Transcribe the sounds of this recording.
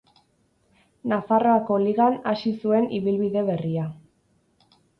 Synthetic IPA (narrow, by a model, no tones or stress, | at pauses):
nafaroako̞liɣanasisue̞nʔiβilβiðe̞βe̞ria